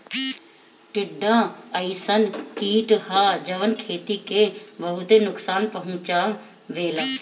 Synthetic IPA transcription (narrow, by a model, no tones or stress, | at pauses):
ʈɪɖːãəɪsənkiːʈhad͡ʒəʋənkʰeːt̪ikebəɦʊt̪enʊksaːnpəɦʊ̃t͡ʃa | ʋeːla